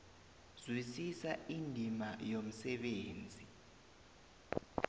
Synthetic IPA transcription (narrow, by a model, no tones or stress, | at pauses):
zwisisaindʱimajom̩sɛɓeːnd͡zʱi